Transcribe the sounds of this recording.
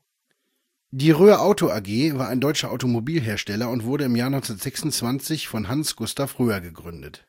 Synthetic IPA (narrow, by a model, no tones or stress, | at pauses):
d̥iːʁøːɐʔaʊtoʔaɡeːvaːɐaɪndɔʏt͡ʃɐʔa̰ʊtomobiːlɦeːɐʃtɛlɐʊntv̥ʊɐɾəɪmjaːɐnɔnt͡sɛnatz̥ɛksʊnt͡sv̥ant͡sɪçfɔnɦansɡ̥ʊstafʁøːɐɡəɡʁʏndət